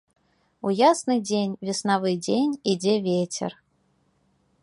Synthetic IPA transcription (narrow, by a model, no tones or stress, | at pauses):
ujasnɨjdʲenʲvʲɪsnavɨjdʲenʲidʲevʲetʲḛr